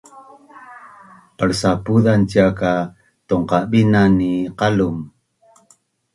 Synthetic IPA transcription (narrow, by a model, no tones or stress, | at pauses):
pəɾsapuðantiaka | tuŋqabinaniqalum